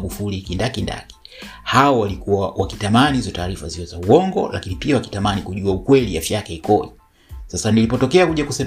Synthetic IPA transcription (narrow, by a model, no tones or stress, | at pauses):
ɡufulikindakinda̰ki̥ | haɔwalikuawakitamanihizɔtaːɾifaziɔzauɔŋɡɔ̰la̰kinipiawaki̥tamanikuʄuaukwɛliafjakɛikɔi | sasanilipɔtɔkɛakuʄakusɛ